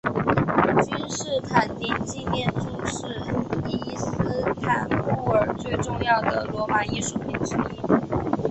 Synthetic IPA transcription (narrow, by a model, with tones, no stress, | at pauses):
t͡ɕy˥nʂɻ̩˥˩t̪ʰa˨˩˦nt̪i˨˩ŋt͡ɕi˥˧mjɛ˥˧nʈ͡ʂu˥˩ʂɻ̩˥˩i˥˩sɹ̩˥t̪ʰa˨˩˦nu˥˩ə˞˨˩t͡swe˥˧ɪʈ͡ʂʊ˥˧ŋjɑ˥˩ʊd̪ə˩lwɔ˧˥ma˨˩˦i˥˧ʂu˥˩pi˧˥˩nʈ͡ʂɻ̩˥i˥˩